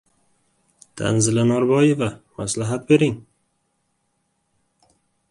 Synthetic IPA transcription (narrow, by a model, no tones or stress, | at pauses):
d̪̥a̰nzɪlanaɾbɒje̞vamaslaɦat̪̚be̞ɾɪŋ